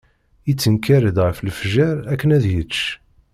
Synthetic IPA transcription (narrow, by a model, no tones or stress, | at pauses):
it͡sːənkːæɾəd̪ʁəflfʒæɾækːənæðjət͡ʃː